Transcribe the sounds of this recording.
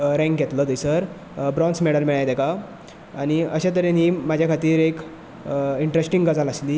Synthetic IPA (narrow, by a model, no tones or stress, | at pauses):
ɾɛ̃ŋkɡɛt̪ləd̪əjsəɾ | bɾɔ̃nsmɛɽəlmiɭajd̪ɛka | aɽ̃iəɕãt̪əɾenɦiːmad͡ʑʱjakʰat̪iːɾek | iɳʈɾesʈiŋɡəd͡zaləsliː